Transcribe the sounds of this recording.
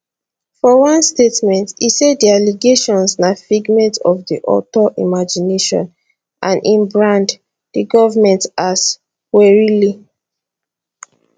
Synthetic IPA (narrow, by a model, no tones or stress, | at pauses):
fɔwɔ̃nstetmɛ̃ntisedialiɡeʃɔ̃nsnafiɡmɛ̃ntɔfdiʔɔ̰tɔʔḭmad͡ʒineʃɔ̰̃n | ʔãnʔĩnbɹãnd | diɡɔvəmɛ̃ntas | wɛɹili